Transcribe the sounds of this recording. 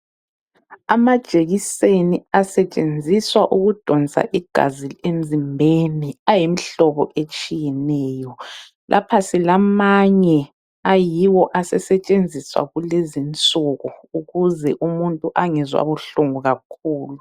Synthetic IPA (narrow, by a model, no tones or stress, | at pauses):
amad̥ʒ̥ʱʼeɣiseniasɛt͡ʃʼend͡zʱiswaʔuɣud̥ʱɔnt͡sʼa̰ʔiɡ̥ʱa̰zilem̩zimbʱeniajim̩ɬɔβɔʔet͡ʃʼijɛnɛːjɔ | lʔa̰pʰasilamaɲɛ | ajiwɔʔasɛsɛt͡ʃʼend͡zʱiswa̰ɣulezint͡sʼuɣɔuɣuzɛʔumuntʼuʔaŋɛzwa̰βuɬuŋuɣakʰuːlu